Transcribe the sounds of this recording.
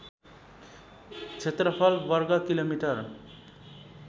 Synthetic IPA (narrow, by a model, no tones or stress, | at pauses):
t͡sʰet̪rʌpʰʌlbʌrɡakilomiʈʌr